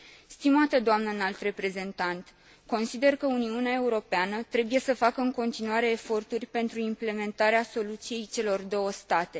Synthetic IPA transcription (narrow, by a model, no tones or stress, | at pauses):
st̪imat̪əd̪oamnənalt̪re̞pɾe̞ze̞nt̪ant̪ | ko̞nsid̪e̞rkəuniuneae̞uɾo̞peanət̪ɾe̞buje̞səfakəɨŋko̞nt̪inuaɾe̞ːfo̞rt̪urʲpe̞nt̪ɾuimple̞me̞nt̪aɾeaso̞lut̪sije̞jt͡ʃe̞lo̞rd̪o̞wəst̪at̪e̞